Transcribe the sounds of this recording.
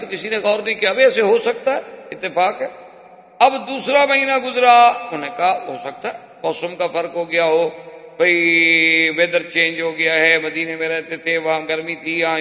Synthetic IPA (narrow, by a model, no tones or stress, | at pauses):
t̪okɪsinẽɣɔːɾnɐĩkiabiɛːseɦosɐk̚t̪aɦɛɪt̪ːɪfaːkɦɛː | ɐbd̪uːsɾamɐɦiːnaɡʊzɾaʊnẽkaɦoːsɐk̚t̪aɦɛ | mɔːsəmkafəɾkɦoːɡɪjaɦoːbʱɐi | ʋeːd̪əɾt͡ʃẽːnd͡ʒɦoːɡɪjaɦɛːmɐd̪iːnemẽɾɛːt̪et̪ʰeʋɐɦãɡəɾmit̪ʰiã